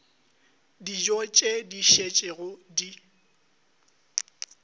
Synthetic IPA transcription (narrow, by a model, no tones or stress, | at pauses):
did͡ʒɔt͡ʃʼediʃet͡ʃʼeɣʊdi